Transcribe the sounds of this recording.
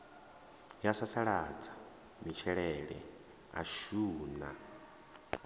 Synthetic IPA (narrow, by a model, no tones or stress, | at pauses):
jasasaɺad͡zḁ | mit͡ʃʰɛɺɛɺɛ̰ | a̰ʃuːna̰